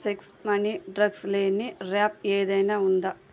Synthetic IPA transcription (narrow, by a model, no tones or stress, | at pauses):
seksmɐniɖɾɐɡsleːnːiɾaːp̚eːd̪ɐjnɐund̪a